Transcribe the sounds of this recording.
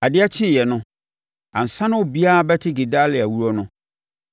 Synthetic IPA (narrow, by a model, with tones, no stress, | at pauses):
a˨dɪ˦a˦t͡ɕʰɪ˦˨jɛ˨nʊ̃˦ | ã˨n̩˨sã˦nʊ̃˦o˨bi˦a˦a˨bɛ˦tʰɪ˦ɡe˨da˦lɪ˨æ˨wu˦ɾɔ˦nʊ̃˦